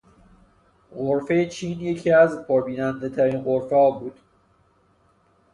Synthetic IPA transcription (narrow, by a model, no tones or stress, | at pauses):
ɢoɾfe̞jet͡ʃʰiːnje̞cʰiːæzpʰoɾbiːnænd̪et̪ʰæɾiːnɢo̞ɾfeɒːbuːd̪̥